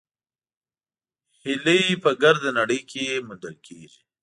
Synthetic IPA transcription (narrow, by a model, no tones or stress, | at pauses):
hɪləjipəɡaɾd̪anaɽəjkʰejemʊnd̪əlkʰeːʒi